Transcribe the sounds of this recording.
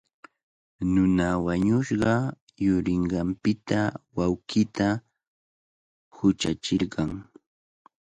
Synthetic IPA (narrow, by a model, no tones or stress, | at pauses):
nʊnawaɲʊʃɢɑ | jʊɾɪɴɢɑmpɪt̪awawkɪt̪a | hʊt͡ʃa̰t͡ʃɪɾɢɑŋ